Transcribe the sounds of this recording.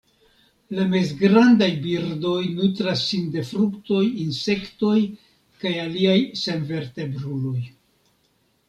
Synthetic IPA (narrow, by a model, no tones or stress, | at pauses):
lame̞zɡɾandajbiɾdo̞jnut̪ɾasːinde̞fɾukto̞jinse̞kto̞j | kajaliajse̞nve̞ɾte̞bɾulo̞j